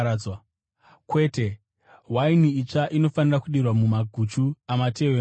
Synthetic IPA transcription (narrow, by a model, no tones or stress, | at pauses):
wa | kwe̞ːte̞ | ɦwainiit͡ʂaʔino̞fanirakuɗirwamumaɡʱut͡ʃuamate̞we